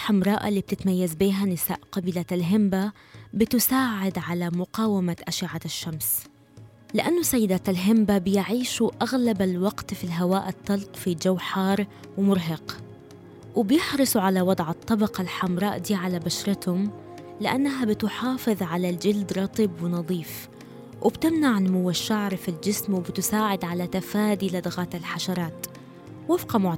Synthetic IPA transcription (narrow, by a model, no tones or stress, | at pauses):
lħamɾˤɑːʔa̰lːiːb̚t̪ɪt̪majːazbiːɦanɪsa̰ːʔqɑbɪlalɦɪmba | bɪt̪ʊsaːʕɪd̪ʕalamʊqɑːwamaʔaʃɪʕaʃːams | lɪʔanːʊsajːɪd̪aːt̪alɦɪmbabɪjʕiːʃuʔaɣlabalwɑɡt̪filɦawaːʔɪt̪ˤːɑlqfid͡ʒawħɑːɾˤ | wmʊɾɦɑq | wɪbjɪħɾɨsˤuʕalawɑd̪ˤʕɑt̪ˤːɑbɑqalħamɾˤɑːʔd̪iːʕalabaʃɾˤɪt̪hʊm | lɪʔanːaɦabɪt̪ħɑːfɨðˤʕalald͡ʒɪld̪ɾˤɑt̪ˤɨbwɪnɑðˤiːf | wɪbt̪ɪmnaʕɪlmʊwaʃːaʕɾˤfild͡ʒɪsmwɪbɪt̪ʊsaːʕɪd̪ʕalat̪afaːd̪ilad̪aɣaːt̪alħaʃɑɾˤɑːt̪ | wɪfqɑmʊʕ